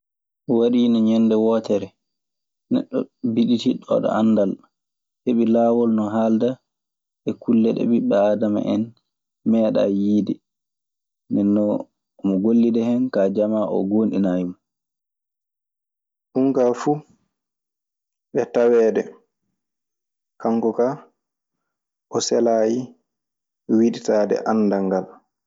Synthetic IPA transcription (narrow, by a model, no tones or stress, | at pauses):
ɔwaɗiːnɔɲɛndɛwɔːtɛɾɛ | nɛ̰ɗːɔ̰biɗitiɗɔ̰ɗɔ̰ʔanːdal | heɓilaːwɔlnɔɦalda | ɓɛkulːɛɗɛ̰ɓiɓɛadama̰ʔɛn | mɛːɗa̰jiːdi | nɛnːɔ | mɔɡolːidɛhɛnkad͡ʒamaʔɔ̰ɡoːnɗinajmɔ | ɗuŋkafu | ɓɛtawɛːdɛ | kaŋkɔka | ʔɔsɛlaːji | wiɗitaːdɛ̰ʔanːdaŋɡal